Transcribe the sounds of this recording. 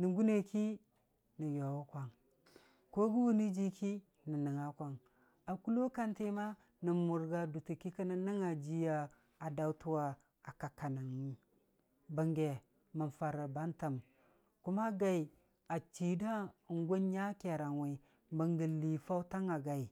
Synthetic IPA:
ni˨ɡu˦ne˨kʰi˦ | nə˨jo˨wu˦kʷa˨ŋ | ko˦ɡu˦wu˦ni˦d͡ʒi˦kʰi˦ | nə˨nə˨ŋa˨kʷa˨ŋ | a˨ku˦lo˦ka˦nti˦ma˦ | nə˨mu˨ɾɡa˨du˨ti˨ki˦kə˦na˦nə˦ŋa˨d͡ʒi˦ja˨ | a˨da˨u˦tu˦wa˨ | a˨ka˨ka˨na˨ŋi˨˦ | bə˨ŋɡe˨ | ma˨nfa˨ɾa˨ba˦nta˨m | ku˦ma˦ɡa˨i˨ | a˨t͡ʃi˨da˦˨ŋɡʷo˦nɲa˦ke˨ɾa˨nwe˨i˨ | bə˨ŋɡə˨li˨fa˦u˦ta˦ŋa˨ɡa˨i˨

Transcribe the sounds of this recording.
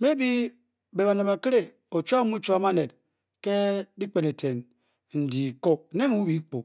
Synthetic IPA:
me˦bi˦ | be˨ba˨ne˨ba˨ki˦ɾe˦ | o˨t͡ʃʷa˦mu˦t͡ʃu˦a˨ma˦ne˨t̚ | ke˦di˦k͡pe˨ne˨tʰe˨n | n̩˨di˨ko˦˨ne˦ŋu˦wi˨˦k͡po˨

